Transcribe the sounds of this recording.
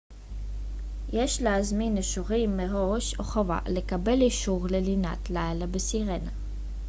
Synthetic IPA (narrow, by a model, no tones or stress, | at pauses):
jeʃleazminiʃuʁimːeʁoʃo̰χova̰lekabe̞liʃuʁlelina̰tlajlabesiʁena